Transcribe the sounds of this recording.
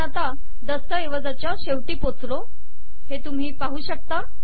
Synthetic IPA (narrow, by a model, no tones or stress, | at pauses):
at̪a | d̪əsəeʋəd͡zat͡ɕjaɕeʋʈiːpot͡slo | het̪um̤iːpaɦuːɕək̚t̪a